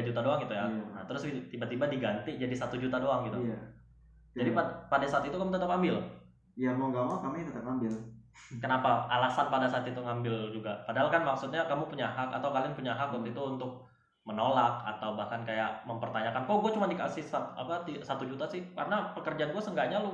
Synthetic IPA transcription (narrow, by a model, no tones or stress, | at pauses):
ad͡ʒut̪adoaŋɡit̪ujana̰t̪əɾʊst̪ibat̪ibadiɡant̪id͡ʒadisat̪ud͡ʒut̪adoaŋɡit̪ua | d͡ʒadipapadasaːt̪it̪ukamut̪ət̪əpambɪl | jamŋɡamawakamit̪ət̪əpambɪlkənapaalasanpadasaːt̪it̪uŋambɪld͡ʒuɡapadaɦalkanmaksut̪̚ɲakamupuɲaɦaka̰t̪awkalianpuɲaɦakunt̪it̪uunt̪ʊk̚ | mənolak̚a̰t̪awbahkankajaʔməmpərt̪aɲakankaɡuat͡ʃumandika̰sɪhsat̪a̰pat̪isat̪ud͡ʒut̪asɪhka̰rənapəkərd͡ʒanɡuasəŋɡaɲalʊ